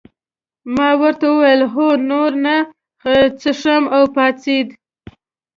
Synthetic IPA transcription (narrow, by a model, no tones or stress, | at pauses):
mɑwəɾt̪awəwajəlɦonoɾna | t͡səʂamawpɑt͡sid̪